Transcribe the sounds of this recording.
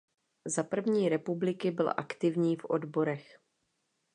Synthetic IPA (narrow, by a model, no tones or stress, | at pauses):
zapr̩vɲiːɾɛpublɪkɪbɪlʔakt̪ɪvɲiːfʔo̞̰dbo̞ɾɛx